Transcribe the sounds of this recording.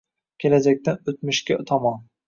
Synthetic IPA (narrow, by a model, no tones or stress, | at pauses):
kʲʰelad͡ʒak̚ʲt̪ʰanɵt̪mɪʃkʲat̪ʰɒmɒn